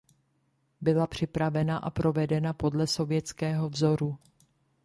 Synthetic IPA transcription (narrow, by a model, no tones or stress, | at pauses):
bɪlapr̝̥ɪpɾavɛnaʔa̰pɾo̞vɛdɛnapo̞dlɛso̞vjɛt͡skɛːɦo̞vzo̞ɾu